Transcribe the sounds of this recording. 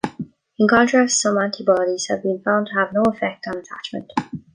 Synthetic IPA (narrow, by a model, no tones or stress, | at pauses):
ɪ̃nkʰɑ̃ntʰɹ̥astsʌ̃mãntʰibɑɾiz̥hɨvbĩnfãʊ̃ntʰəvnoʊəfɛk̚tn̩ətʰa̰t͡ʃmə̰̃nt